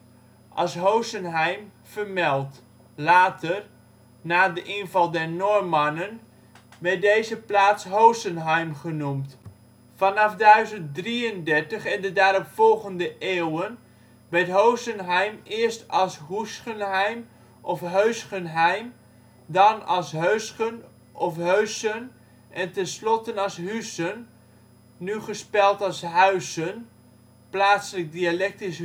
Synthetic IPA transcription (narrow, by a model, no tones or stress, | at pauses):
ʔɑ̰lˠsɦowsənɦɛjm | fərmɛlˠt | laːtʰər | naːdəʔɪnvɑlˠdɛɹnormanən | ʋɛɹt̚dejzəplaːtsɦowsənɦɛjmχənumt | fɑnɑfdœɥzənt̚driəndɛɹtəχɛndədaːɾɔpfɔlˠɣəndəʔewən | ʋɛjtɦowsənɦɛjmɪəstɑlˠsɦusχənɦɛjm | ʔɔfɦøɥsχənɦɛjm | dɑnɑlˠsɦøɥsən | ʔɔfɦøɥsən | ʔɛntɛnslɔtənɑlˠsɦysənː | yχəspɛlˠtɑlˠsɦœɥsən | plaːtsələk̚dialɛk̚tis